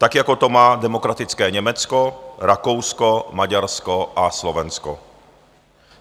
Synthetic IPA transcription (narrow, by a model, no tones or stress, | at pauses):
t̪akjako̞t̪o̞maːdɛmokɾat̪ɪt͡skɛːɲɛmɛt͡skoɾakowskomaɟaɾskoʔaslovɛnsko̰